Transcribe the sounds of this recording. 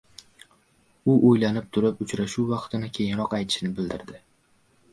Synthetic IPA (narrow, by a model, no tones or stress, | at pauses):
ʊʔojlanɪp̚t̪ʰʊɾɪpʊt͡ʃɾaʃuwːɑqt̪ʰɪnɪkʲʰe̞jɪŋɾɒqajt̪ʰɪ̥ʃnɪbɪld̪ɪɾd̪ɪ